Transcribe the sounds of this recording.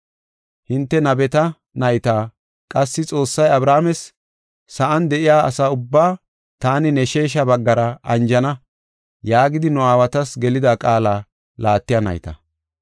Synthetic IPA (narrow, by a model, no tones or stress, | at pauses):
hɪnt̪ːɛnɐbɛt̪ɐ | nɐjt̪aː | kʼɐsːɪt͡sʼo̞ːsːɐjɐbɾaːmɛsː | ɐʔɐnd̪ɛʔɪjaːɐ̰saːʊbːaː | t̪aːnɪnɛʃe̞ːʃ̬ɐbɐɡːɐɾɐɐnd͡ʒɐnɐ | jaːɡɪd̪ɪnɔaːwɐt̪ɐsɡɛlɪd̪akʼaːlaː | laːt̪ːɪjɐnɐ̰jt̪ɐ̰